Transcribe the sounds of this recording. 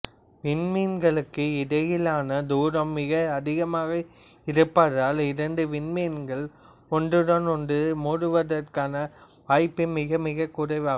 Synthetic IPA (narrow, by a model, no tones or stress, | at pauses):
ʋɪɳmeːnɡɐɭɯkːɯɪðɐjɪlaːnɐd̪uːɾɐmːɪɣɐɐðɪɣɐmaːɣɐ | ɪɾɯpːɐðaːlɪɾɐɳɖɯʋɪnmeːnɡɐɭ | ɔɳɖrɯɽɐnɔndɯmuːɽɯʋɐðɐrkaːnɐ | ʋaːjpːɯmɪɣɐmɪɣɐkːʊɾɐɪʋaːɣɐ